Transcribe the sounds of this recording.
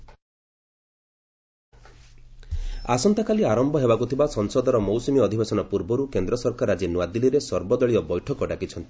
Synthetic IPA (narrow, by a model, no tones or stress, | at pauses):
asɔnt̪akaliaɾɔmbʱɔɦebakut̪ʰibasɔnsɔd̪ɔɾɔmowsumiɔd̪ʱibesɔnɔpuɾbɔɾukend̪ɾɔsɔɾkaɾad͡ʒinwad̪iliɾesɔɾbɔd̪ɔɭiɔbɔjʈʰɔkɔɖakit͡ʃʰɔnt̪i̥